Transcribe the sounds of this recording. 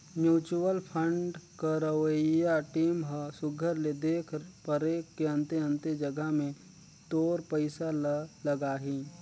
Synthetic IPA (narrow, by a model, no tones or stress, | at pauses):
mjuːt͡ʃuwəlpʰə̃ɳɖkəɾəʋəjaʈiːmɦəsʊɡʱəɾled̪eːkʰɾpəɾeːkːeɐ̃nt̪eɐ̃nt̪ed͡ʒɐɡəɦmẽ | t̪oːɾpəɪsallɐɡaːɦĩː